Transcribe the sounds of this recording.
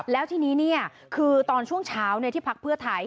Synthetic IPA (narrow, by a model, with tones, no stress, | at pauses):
p̚lɛː˦˥wt̪ʰiː˥˩niː˦˥ni˥˩ɐ | kʰɯː˧t̪ɔː˧nt͡ɕʰu˥˩əŋt͡ɕʰaː˦˥wna˧t̪ʰiː˥˩pʰa˦˥k̚pʰɯ˥˩ət̪ʰa˧j